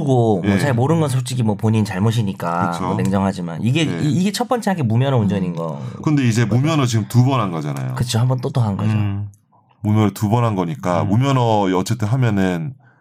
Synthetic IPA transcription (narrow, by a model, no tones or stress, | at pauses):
uɡomjʌt͡ɕaɕiɭmoɾɯnɡʌnsʰot͡ɕ͈iɡimwʌpoɲint͡ɕaɭmoɕ̬ʰiɲik͈aɯmoʌneŋd͡ʑʌŋɦad͡ʑima̰niɡe̞iːɡe̞t͡ɕʰʌt̚p͈ʌnt͡ɕ͈ʰeɦaɡemumjʌnʌund͡ʑʌɲinɡʌ̰kɯnde̞id͡ʑe̞mumjʌnɯt͡ɕiɡɯmtubʌnɦanɡʌd͡ʑana̰jo̰kɯt͡ɕʰoɦambʌnt͈ot͈ʌɦanɡʌd͡ʑo̰ | mumjʌnɯɭtubʌnɦanɡʌɲik͈amumjʌnʌiʌt͡ɕ͈e̞t͈ʰeɦamjʌnɯn